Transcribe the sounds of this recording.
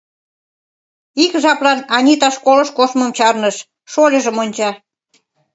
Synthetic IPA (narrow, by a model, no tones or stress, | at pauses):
ikʒɑplɑnɑnʲit̪ɑʃkolɤ̆ʃkoʃməmt͡ɕɑrnəʃ | ʃolʲəʒəmonʲt͡ɕɑ